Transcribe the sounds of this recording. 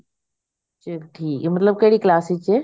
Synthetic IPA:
t͡ʃɐkʈʰiːkmɐt̪ləb̚kɐɦɪɽiklaːsit͡ɕeː

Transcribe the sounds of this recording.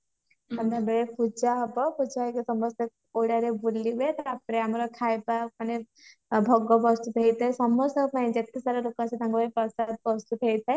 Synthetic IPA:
ãnd̪ʱabeɭepud͡ʒaɦɔbɔpud͡ʒajkisɔmɔsek̚ | oɽaɾebulːibet̪ɔapɾeamɾɔkʰajbapane | bʱɔɡɔbɔst̪ut̪ɦejt̪ʰajsɔmɔsɔkpaĩd͡ʒet̪isaɾaɾokasʰed̪ʱãŋɡɔɾipɔsad̪̚bɔst̪ut̪ɦejt̪ʰaj

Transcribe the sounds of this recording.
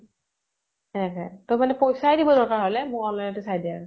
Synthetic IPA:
ɛnɛkɔ̰tʊmanɛpojsajdibɔdɔɹkaɹɦolɛmʊɹɔnlajnɔtʊsajdia̰ɹʊ

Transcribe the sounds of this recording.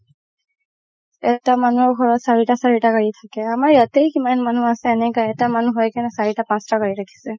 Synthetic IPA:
ɛtamanuɔɹɡʱɔɹɔtsaɹitasaɹitakaɹitʰakɛamaɹjatejkimanmanuasɛːnɛkaɛtamanuɦɔjkanɛsaɹitapãstakaɹiɹakʰi̥sɛ

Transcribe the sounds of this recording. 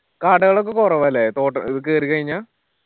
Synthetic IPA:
kaːʈɐɣɐɭokːekorɐʋɐlːet̪oːʈːɐiðɐk̬ːɨɐɾikɐɻiɲːaː

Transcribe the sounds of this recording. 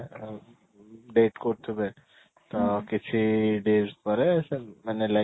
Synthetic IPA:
ɖeːʈkoːt̪ʰube | t̪okɪt͡ʃʰiɖeːzpəɾɛsemɛːnela

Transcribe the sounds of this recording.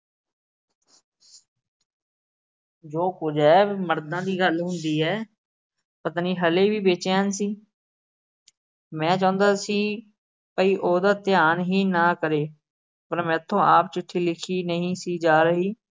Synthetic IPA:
d͡ʒoːkʊd͡ʒɛːməɾd̪ãːd̪iːɡəlɦʊnd̪iːɦɛː | pət̪aːniːɦəleːʋiːbeːt͡ʃeːɦənsiː | mɛ̃ːt͡ʃãːnd̪aːsiː | pəiːʔoːd̪aːt̪ɪjaːnɦiːnaːkəɾeː | pəɾmɛ̃ːt̪ʰːõːʔaːpt͡ʃɪʈʰːiːlɪkʰiːnəɦĩːsiːd͡ʒaːɾəɦiː

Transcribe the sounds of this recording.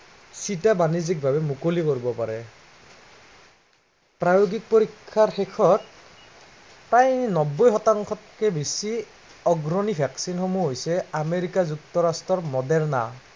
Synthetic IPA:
sitabanizik̚bʱabɛmukolikoɹibɔpa̰ɹɛ | pɹajoɡik̚poɹikʰːaɹxekʰɔt̚ | pɹajnɔbːɔjxɔtaŋkʰɔtkɛbisi | ɔɡɹɔnipɛksinxomuɦojsɛameɹikazuk̚tɔɹastɹɔɹmɔdɛɹna̰

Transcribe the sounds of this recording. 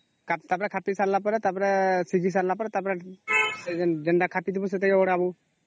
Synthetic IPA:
kat̪apɾakʰapisaɾlapɔɾat̪apɾɛsiɡis̬aɾlapɔɾat̪apɾasɛɛndɛɳɖakʰapid̪ʰibɔs̬ɛt̪ajɔɔɽabu

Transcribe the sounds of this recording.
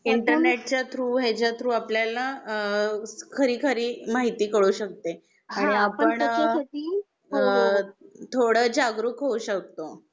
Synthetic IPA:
iɳʈəɾneʈ̚t͡ɕjat̪ʰɾuːɦet͡ɕjat̪ʰɾuːapljala | kʰəɾiːkʰəɾiːmaɦit̪iːkəɽuːɕək̚t̪e | aɽ̃iapəɳaəi | t̪ʰoɽəd͡ʑaɡɾukɦoɕək̚t̪o

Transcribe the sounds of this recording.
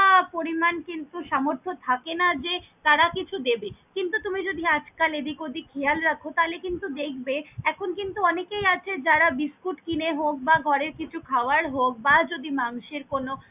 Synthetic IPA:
apoɾimankint̪uʃamoɾt̪ʰot̪ʰakenad͡ʑet̪aɾakit͡ɕʰud̪ebekint̪ut̪umid͡ʑod̪ʱiad͡ʑkaled̪ikod̪ikʰejalɾakʰot̪alekint̪ud̪ekʰbeɛkʰonkint̪uɔnekejat͡ɕʰed͡ʑaɾabiskuʈkineɦok̚baɡʱɔɾeɾkit͡ɕʰukʰaoaɾɦok̚bad͡ʑod̪ʱimaŋʃeɾkono

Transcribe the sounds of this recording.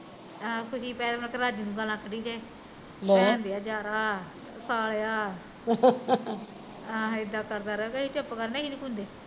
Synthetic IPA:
akʰʊʃiːpɛ̃ːd̪mnkəɾaːd͡ʒiːnũːɡəlãːkəɖiːd̪eː | mɛnd̪eːaːd͡ʒaːɾaː | saːleːaː | aːɪd̪aːkəɾd̪aːɾəoːkeiːt͡ʃəpːkəɾneiniːkʊnd̪eː

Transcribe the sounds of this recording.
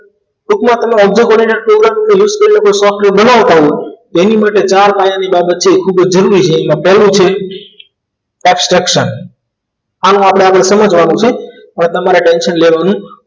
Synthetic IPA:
ʈukmãt̪əmeɔbd͡ʒekəɾinepɾoɡɾamnejuzkəɾilokosɔfʈɾebənaʋt̪ʰaɦõt̪enimaʈet͡ʃaɾpajãnibabət̪̚t͡ʃʰeːkʰubəd͡ʒd͡ʒəɾuɾit͡ʃʰeːmãpɛlũt͡ʃʰe | ɛbsʈɾəkʃən | anũapɽ̃eapɽesəməd͡ʒʋanũt͡ʃʰe | ənet̪əmaɾeʈenʃənleʋanũ

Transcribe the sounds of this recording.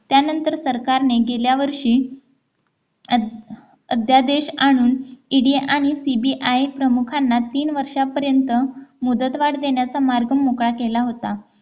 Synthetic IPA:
t̪janənt̪əɾsəɾkaɾneɡeljaʋəɾʂiː | əd̪ʱjad̪eɕaɽ̃uːniɖieʔaɽ̃isibiʔajpɾəmukʰanːat̪iːnʋəɾʂapəɾjənt̪əmud̪ət̪ʋaɽd̪eɳjat͡samaɾɡəmokɭakelaɦot̪a

